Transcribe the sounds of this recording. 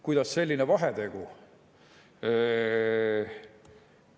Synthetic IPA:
kujd̪̥ɑsːe̞lʲːinevɑɦed̪e̞ɡ̥u

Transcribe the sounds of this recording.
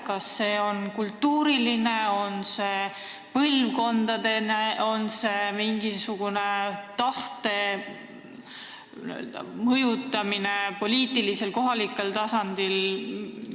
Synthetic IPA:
kɑsːe̞ːo̞nkult̪ːuːɾiline̞o̞nse̞ | pɤlvko̞nd̪̥ɑd̪eneo̞nsemiŋɡisuɡ̥une̞t̪ɑht̪e̞ | y̰ḛld̪̥ɑ̰mɤjut̪ːˑɑmine̞po̞lʲiːt̪ilise̞lko̞ɦɑlikːˑelt̪ɑsɑnd̪̥il

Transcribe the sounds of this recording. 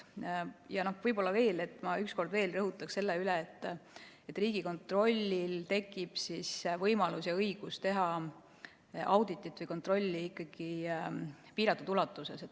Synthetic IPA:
jɑno̞hvɤjbo̞lːɑve̞ːle̞t̪ːˑmɑyksko̞rd̪ve̞ːlrɤɦut̪ˑːɑkse̞lːeyleːt̪ːˑ | et̪ːˑriːɡ̥iko̞nt̪ˑro̞lʲːilt̪e̞kːˑib̥sisvɤjmɑlusjɑɤjɡ̥ust̪e̞ɦɑ | ʔɑwd̪̥it̪ːˑit̪ːˑvɤjko̞nt̪ro̞lʲːiikːɑɡ̥i | piːɾɑt̪ːˑud̪ulɑt̪ːˑuse̞set̪ː

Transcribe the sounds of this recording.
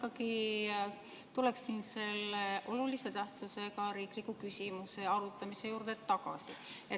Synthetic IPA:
kːɑki | t̪ule̞ksinse̞lːeʔo̞lulise̞t̪æht̪suse̞kɑɾiːklikːukysʲimuse̞ɑɾut̪ːˑɑmise̞juːrd̪̥et̪ːɑkɑsie

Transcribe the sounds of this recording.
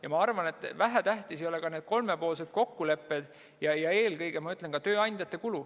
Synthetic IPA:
jɑmɑɑrvɑne̞t̪ːˑvæɦæt̪æht̪isejo̞le̞kɑne̞ːd̪̥ko̞lme̞po̞ːlse̞d̪̥ko̞kːule̞pːed̪̥ | jɑjɑe̞ːlkɤjɡ̥e̞mɑyt̪lenkɑt̪ø̞ːɑnʲd̪jɑt̪ːˑe̞kulu

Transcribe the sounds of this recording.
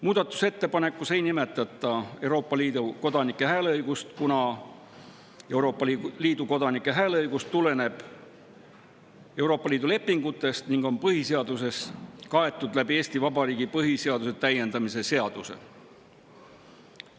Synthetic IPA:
muːd̪̥ɑt̪ːˑu̥se̞t̪ːe̞pɑne̞kːˑuse̞jnime̞t̪ːˑɑt̪ˑːɑe̞wɾo̞ːpːˑɑlid̪uko̞d̪̥ɑnikːˑe̞ɦæːleɤjɡ̥ust̪kunɑ | e̞wɾo̞ːpːˑɑliːd̪̥uko̞d̪̥ɑnikːˑe̞ɦæːleɤjɡ̥ust̪ːule̞ne̞b̥ | e̞uwɾo̞ːpːɑliːd̪ule̞pːiŋɡ̥ut̪ːˑe̞st̪niŋɡ̥o̞npɤɦise̞ɑd̪us̬e̞skɑe̞t̪ːˑud̪læbie̞ːsʲt̪ivɑbɑɾiːɡipɤɦise̞ɑd̪̥use̞t̪æjːe̞nd̪ɑmise̞se̞ɑd̪̥use̞̰

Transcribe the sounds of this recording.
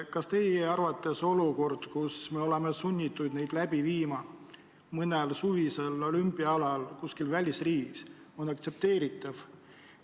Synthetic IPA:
kɑst̪e̞jeɑrvɑt̪ːˑe̞so̞luko̞rd̪̥kusme̞o̞le̞mesunʲːit̪ːˑud̪ne̞jd̪̥læb̥iviːmɑ | mɤnelsuvise̞lo̞lympːˑiɑɑlɑlkuskilvælʲisriːɡiso̞nɑkt̪se̞p̚t̪e̞ːɾit̪ˑɑv

